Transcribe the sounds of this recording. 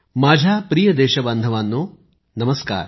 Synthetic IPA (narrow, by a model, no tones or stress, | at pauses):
maːd͡ʒʱaːpɾiːjɐd̪ɛːʃɐbɐnd̪ʱɐʋaːnːu | nɐmɐska̰ːɾ